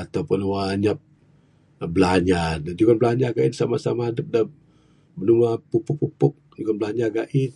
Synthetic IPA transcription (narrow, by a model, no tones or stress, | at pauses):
at̪awpʊnwaɲap̚ | bəlaɲadand͡ʒuɡanbəlaɲaɡaʔinsamasamaadəp̚da | bənumapupʊkpːupʊk̚d͡ʒuɡanbəlaɲaɡaʔin